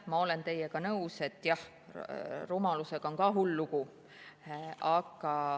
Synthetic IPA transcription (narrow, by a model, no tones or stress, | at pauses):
mɑo̞le̞nt̪e̞jeɡ̥ɑnɤuse̞t̪ːˑjɑh | rumɑluse̞ɡ̥ɑo̞ŋkɑːɦulːuɡ̥u | ɑkɑ